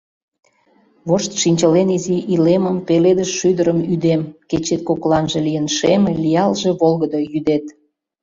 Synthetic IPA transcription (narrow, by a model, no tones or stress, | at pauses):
βoʃt̪ʃinʲt͡ɕəleniziʔileməmpeled̪əʃʃyd̪əɾəmyd̪emket͡ɕet̪̚koklɑnʒĕlijənʃemelʲijɑlʒeβolɣəd̪ojyd̪et̪